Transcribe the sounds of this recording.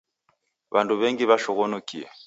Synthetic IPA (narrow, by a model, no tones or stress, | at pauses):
βanduβɛŋɡiβaʃɔɣɔnukiɛ̰